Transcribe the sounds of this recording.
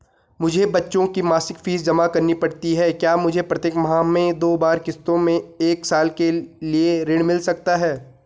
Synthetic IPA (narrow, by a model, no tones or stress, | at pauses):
mʊd͡ʒʱebɐtːʃõkimaːsɪkfiːzd͡ʒɐmakɐɾnipɐɽt̪iɦɛkjaːmʊd͡ʒʱepɾɐt̪eːkmɐɦaːmẽd̪oːbaːɾkɪst̪õmẽeːksaːlkelieɾɪ̃ɽ̃mɪlsɐk̚t̪aɦɛː